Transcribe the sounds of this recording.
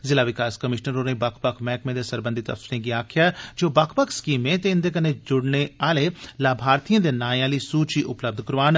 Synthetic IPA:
zɪlaːʋɪkaːskəmɪʃnəɾoːɾeĩbakʰpəkʰmɛːkmẽːd̪eːsəɾbə̃nd̪it̪ə̰psiɾẽːɡiaːkʰɪjaːd͡ʒoːbakʰpəkʰskiːmːẽːt̪eɪnd̪eːk̬ənːed͡ʒʊɽneaːlelaːbʱaːɾt̪ijãːd̪eːnaːãːliːsuːt͡ʃiʔʊpləb̚d̪ʱkəɾʋaːn

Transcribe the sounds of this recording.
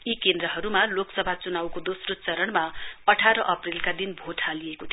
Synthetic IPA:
ikend̪ɾʌɦʌɾumaloksʌbʱat͡sunawkod̪osrot͡sʌɾʌnmaʌʈʰaɾʌʔʌprilkad̪inbʱoʈʰalijekot̪ʰ

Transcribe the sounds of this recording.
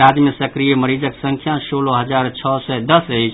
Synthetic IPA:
ad͡ʒmesəkɾijeməɾid͡ʒəksəŋkʰjasoloɦəd͡ʒaɾt͡ʃʰɔsɛd̪əsəɪt͡ʃʰ

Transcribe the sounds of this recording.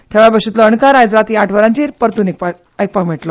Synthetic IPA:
t̪ʰeʋabəɕut̪ləəɳkaɾajd͡zɾat̪iaʈʰʋəɾãt͡ɕiɾpəɾt̪unik̚pa | əjk̚pakmeʈlɔ

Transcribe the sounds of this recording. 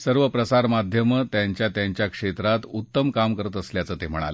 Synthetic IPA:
səɾʋəpɾəsaɾmad̪ʱjəmət̪jaɲt͡ɕjat̪jaɲt͡ɕjakʂet̪ɾat̪ut̪ːəmkamkəɾət̪əsljat͡səːt̪em̤əɽ̃a̰lə

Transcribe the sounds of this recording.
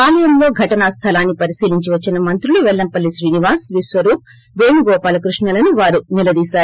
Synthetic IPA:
paːlɐjɐmlo̞ːɡʱɐʈɐnɐst̪ʰɐlaːnːipɐɾisiːliɲt͡ʃiʋɐt͡ʃːinɐmɐnt̪ɾuluʋɛɭːɐmpɐlːiʃɾiːniʋaːsʋisʋɐɾuːp̚ | ʋeːnuɡɔːpaːlɐkɾuʂɳɐlɐnuʋaːɾunilɐd̪iːsaːɾu

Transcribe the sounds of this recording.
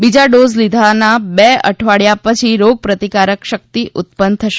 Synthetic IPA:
bid͡ʒaɖozlid̪ʱanabeə̰ʈʰʋaɽjapət͡ʃʰiɾoɡ̚pɾət̪ikaɾəkʃək̚t̪iʔʊt̪̚pən̚t̪ʰəʃe

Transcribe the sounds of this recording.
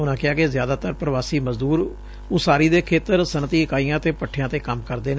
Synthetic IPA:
ʊnãːkɪaːkɪzɪjaːd̪aːt̪əɾpɾəʋaːsiːməzd̪uːɾ | ʊsaːɾiːd̪eːkʰeːt̪əɾsənt̪iːəkaːijãːt̪eːpəʈʰːjãːt̪eːkəmkəɾd̪eːn

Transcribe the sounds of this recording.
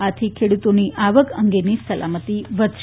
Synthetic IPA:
at̪ʰikʰeɽut̪oniʔaʋəkəŋɡenisəla̰mət̪iʋəd̪ʱʃ

